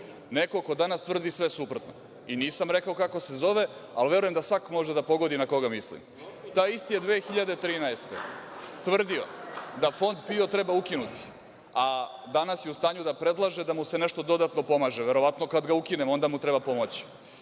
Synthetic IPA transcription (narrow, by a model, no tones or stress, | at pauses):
neko̞kod̪anast̪ʋr̩d̪isʋe̞supɾot̪no̰ | iniːsamɾe̞kaokako̞se̞zo̞ʋe̞alʋe̞ɾujemd̪asʋakmo̞ʒed̪apo̞ɡo̞d̪inako̞ɡamislḭm | t̪aist̪ijed̪ʋeːxiʎad̪e̞t̪ɾiːnaest̪et̪ʋr̩d̪io̞̰d̪afo̞nd̪pio̞t̪ɾe̞baukinut̪i̥ | a | d̪anasjeust̪aːɲud̪apɾe̞d̪lˠaʒe̞d̪amusene̞ʃt̪od̪o̞d̪at̪no̞po̞maːʒeʋe̞ɾo̞ʋat̪no̞kad̪ɡaukinemo̞nd̪amut̪ɾebapo̞mot͡ɕi̥